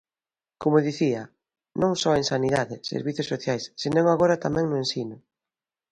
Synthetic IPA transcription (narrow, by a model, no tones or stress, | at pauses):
komʊðiθiɐ | nõŋsɔeŋsaniðaðɪsḛɾβiθjosːoθjajsːenõŋaɣoɾat̪amɛ̃ŋnʊensinʊ